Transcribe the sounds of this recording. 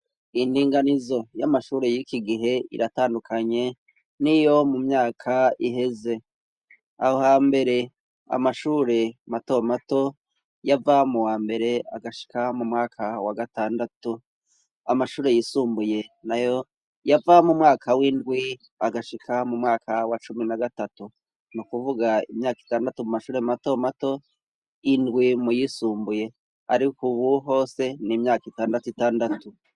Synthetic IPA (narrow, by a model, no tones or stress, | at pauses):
indiːŋɡanizo̞jamaʃuːɾe̞jikiɡiɦe̞ḭɾʔataːndukʰaɲe̞ | nijo̞mumɲaːkʰaiɦe̞ze | a̰hohambe̞ɾe̞ | a̰maʃuːɾe̞mato̞mato̞ | javamuwaːmbe̞ɾe̞aɡaʃi̥kʰamumŋaːkʰawaɡataːndatu | amaʃuːɾe̞jisuːmbuje̞najo̞ | javamumŋaːkʰawindɡwi | aɡaʃikʰamumŋaːkʰawat͡ʃuminaɡatatu | nukuvuɡaḭmɲaːki̥taːndatumumaʃuːɾe̞mato̞mato̞ | indɡwimujisuːmbuje̞ | aɾikuβuɦo̞ːse̞nimɲaːkitaːndatuitaːndatu